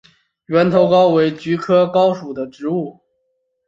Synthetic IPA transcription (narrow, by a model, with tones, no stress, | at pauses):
ɥɛ˧˥nt̪ʰo˧˥ʊkɑ˥ʊwe˧˥ɪt͡ɕy˧˥kʰɤ˥kɑ˥ʊʂu˨˩d̪ə˦ʈ͡ʂɻ̩˧˥u˥˩